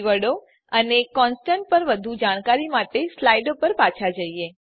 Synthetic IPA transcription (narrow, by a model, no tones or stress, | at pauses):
ʋəɽo | ənekɔnsʈãɳʈ̚pəɾʋəd̪ʱud͡ʒaɽ̃kaɾimaʈeslaiɖopəɾpat͡ʃʰad͡ʒəie